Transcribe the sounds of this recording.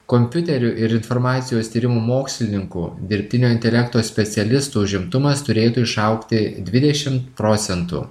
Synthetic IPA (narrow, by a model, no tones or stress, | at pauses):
komʲpʲʊt̪ʲɛɾʲʊʔɪɾɪnfoɾmɑːt̪sʲɪjoːst̪ʲiːɾʲɪmuːmoːksʲlʲɪnʲɪŋkuːd̪ʲɪɾʲpʲt̪ʲɪnʲoːɪnʲt̪ʲɛlʲɛkt̪oːsʲpʲɛt̪sʲɛlʲɪst̪uːʊʒʲɪmt̪ʊmɐst̪ʊɾʲeːt̪uːɪʃɐʊkt̪ʲɪd̪ʲʋʲɪd̪ʲɛʃʲɪmt̪pɾoːt̪sʲɛnt̪ṵː